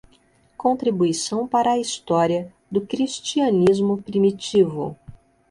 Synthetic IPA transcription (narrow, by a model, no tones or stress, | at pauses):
kõnt̪ɾibuisɐ̃w̃paɾɐːist̪ɔɾiɐ | d̪ʊkɾist͡ʃiɐnizmʊpɾimit͡ʃivʊ̰